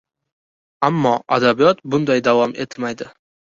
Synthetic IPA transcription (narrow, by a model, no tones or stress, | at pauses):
amːɒad̪abijɒt̪bʊnd̪ajd̪avɒme̞t̪ʰmajd̪ɪ